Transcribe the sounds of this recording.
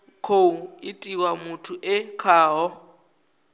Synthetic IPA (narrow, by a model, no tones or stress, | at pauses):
kʰouɪtʼiwamʊtʰʊʔɛkʰaːɦɔ